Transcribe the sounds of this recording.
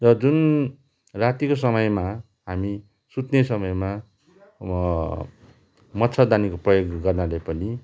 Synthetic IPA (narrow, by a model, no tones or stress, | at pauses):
rʌd͡zun | rat̪ikos̬ʌmʌjma | ɦami | sut̪nesʌmʌjma | mʌt̪sʰʌd̪anikoprʌjoɡɡʌrnalajpʌni